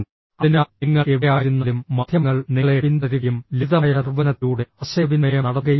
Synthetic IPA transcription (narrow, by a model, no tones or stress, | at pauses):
ɐinaiŋːɐeʋijaːɾunːɐlumːɐd̪ʱjɐŋːɐɭniɭeʋind̪ɐðijumliðɐjɐɾɐrʋɐnɐt̪ːuːɽeɐɕɐʋinɐɾɐnɐɽɐɣɐj